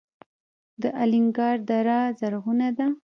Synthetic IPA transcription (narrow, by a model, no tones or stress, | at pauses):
d̪əʔalɪŋɡɑɾd̪aɾɑzaɾɣunad̪a